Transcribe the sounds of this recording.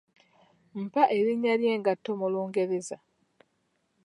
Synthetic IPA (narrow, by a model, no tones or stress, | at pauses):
m̩paʔe̞ɾiɲːaljeːŋɡatːo̞muloːŋɡe̞ɾeza